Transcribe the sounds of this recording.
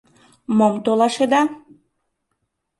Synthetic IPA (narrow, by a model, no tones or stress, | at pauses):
momt̪olɑʃed̪ɑ